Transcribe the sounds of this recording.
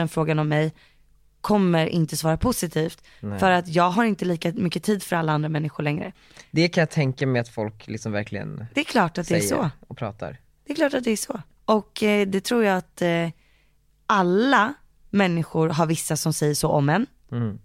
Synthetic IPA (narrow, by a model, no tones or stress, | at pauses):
ɛnfɾoːɡanɔmːɛj | kʰɔmːəɾʔɪ̰nt̪əsvɑːɾapʰʊsɪt̪ʰiːft̪ | fœɾat̪jɑːɡɦaɾɪnt̪əliːkamʏkːət̪ʰiːd̪fœɾalːaand̪ɾamɛnːɪɧʊɭɛŋɾə̰ | d̪ɛkʰanjat̪ʰɛŋkamɛat̪fɔlklɪ̰ksɔmvæ̰ɾkʰlɪɡə̰nd̪ɛːkʰlɑːʈat̪̚d̪ɛæʂɔ̰ɔpʰɾɑ̰ːt̪a̰ɾ | d̪̥ɛkʰlɑːʈat̪̚d̪ɛæʂɔ | ɔkd̪ɛt̪ʰɾuːɾjaat̪ | ʔalːa | mɛnːɪɧʊɾɦaɾvɪsːasɔmsɛjːəʂoːʔɔmd̪ɛn